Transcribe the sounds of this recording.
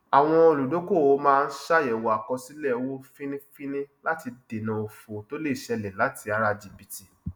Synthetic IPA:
a˨w̃ɔ̃˧o˧˨lu˨do˨˦ko˦˨o˨˦mãː˦˧n̩˦ʃa˦˨jɛ˨wo˨a˨kɔ˧si˦lɛ˦˨wo˦fĩ˦nĩ˦fĩ˦nĩ˦la˦ti˧de˨nã˧o˧fo˨to˦le˦i˨ʃɛ˧lɛ˨la˨˦ti˧a˨˧ɾa˧d͡ʒi˨bi˦ti˦˨

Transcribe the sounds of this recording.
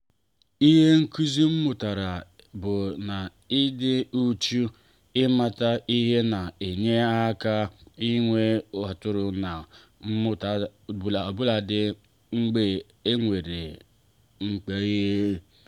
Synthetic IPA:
i˦ɦe˦ŋ̩˦ku˦zi˦m̩˦mʊ˨ta˨ɾa˨ | bʊ˨na˨ | ɪ˦dɪ˦u˦t͡ʃu˦ | ɪ˦ma˦ta˦i˦ɦe˦na˨e˨ɲe˦a˦ka˦i˦ŋʷe˦ɦa˨tʊ˦ɾʊ˨na˨ | m̩˦mʊ˦ta˨bla˨o˨bʊ˦la˨dɪ˦ | ŋ͡m̩˦ɡ͡be˨ | e˦ŋʷe˨ɾe˨ | ŋ͡m̩˨k͡pe˨˦je˦

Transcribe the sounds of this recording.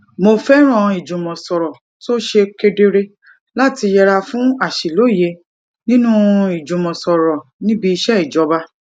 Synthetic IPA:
mo˧fɛ˦ɾ̃ɔ̃˦˨i˨d͡ʒũ˨mɔ̃˨sɔ˨ɾɔ˨ | to˦ʃe˧ke˧de˧ɾe˧ | la˦ti˧jɛ˧ɾa˧fũ˦a˦˨ʃi˨lo˨˦˨je˧ | nĩ˦nũ˦i˨d͡ʒũ˨mɔ̃˨sɔ˨ɾɔ˨nĩ˦bi˧i˧ʃɛ˦i˨d͡ʒɔ˨˦ba˦

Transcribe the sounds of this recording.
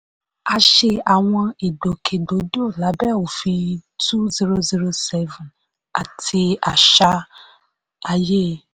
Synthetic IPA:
a˧ʃe˧a˨w̃ɔ̃˧e˨ɖo˨kʰe˨do˨˦do˦˨la˨˦bɛ˦˨o˨fi˧tu˦zi˦ɾo˧zi˦ɾo˧sɛ˦vũ˨n | a˨tʰi˧a˨ʃa˧ | a˨je˦

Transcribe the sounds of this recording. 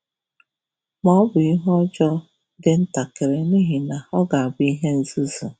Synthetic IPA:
mɔ˦ɔ˦bʊ˨i˦ɦɔ˦d͡ʒɔ˦ | dɪ˦n̩˦ta˨ke˨ɾe˨ni˦ɦi˨na˨ɔ˦ɡa˨a˨bʊ˨˦i˦ɦe˦n̩˨zu˦zu˨

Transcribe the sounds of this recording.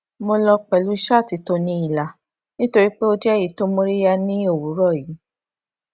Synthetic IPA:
mo˧lɔ˧k͡pɛ˨lu˨˦i˧˦ʃa˦˨ti˨˧to˧nĩ˧i˦˨la˨ | nĩ˦to˧ɾi˦k͡pe˦o˧d͡ʒɛ˦˨ji˨˦to˦mõ˧ɾi˦ja˧nĩ˦o˦˨wu˨˦ɾɔ˦˨ji˨˦

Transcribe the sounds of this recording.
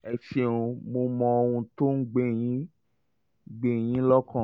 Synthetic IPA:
ɛ˧ʃe˨ũ˧mo˧mɔ̃˧o˧wũ˧to˦n̩˦ɡ͡be˦˨j̃ĩ˦ | ɡ͡be˦˨j̃ĩ˦lɔ˦kã˦˨

